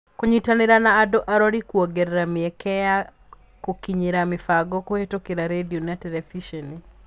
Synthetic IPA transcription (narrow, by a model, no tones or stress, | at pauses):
koɲitanɪɾanaːdɔʔaɾɔɾikwoɡeɾːamiɛkɛja | kokiɲiɾamɪfaɡɔkohetokiɾaɾedionatɛlɛfiʃɛni